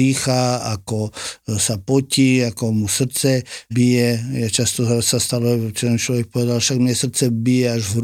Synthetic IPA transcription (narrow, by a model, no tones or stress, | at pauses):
iːxaakɔsapɔciakomusr̩t͡sɛbijɛjat͡ʃast̪ɔasast̪alɔat͡ʃɛd̪ɛnt͡ʃlɔʋjɛk̚poʋɛd̪alʃaɡmɲɛsr̩t̪t͡sɛbijɛaʒvɾ